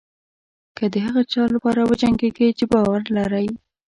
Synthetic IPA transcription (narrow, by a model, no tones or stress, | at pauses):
kəd̪əɦaɣat͡ʃɑlapɑɾawəd͡ʒaŋɡeɡet͡ʃebɑwaɾlaɾəj